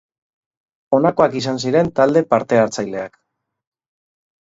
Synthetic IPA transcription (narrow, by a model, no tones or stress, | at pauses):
o̞nako̞akisansiɾe̞nt̪ald̪e̞paɾt̪e̞aɾt͡sajle̞ak